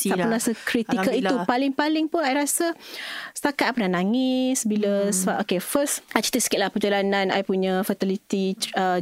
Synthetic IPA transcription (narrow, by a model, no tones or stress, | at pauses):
aʔunɾasəkɾit̪ikkəiupalɪŋpalɪŋpʊnajɾasəst̪akat̪pənanaŋɪsbiləsəbaʔokefəsat͡ʃi̥t̪isə̥kɪt̪lahpəd͡ʒalanãna̰jpuɲãfət̪ilit̪iə